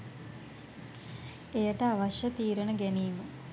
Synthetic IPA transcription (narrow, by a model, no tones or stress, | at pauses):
ejəʈəaʋaʃjət̪iːɾənəɡæniːmə